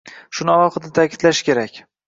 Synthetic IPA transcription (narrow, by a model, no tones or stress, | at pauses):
ʃʊnɪɒlˠɒχɨd̪at̪ʰakʲʰɪd̪̥laʃɪ̥kʲe̞ɾakʲ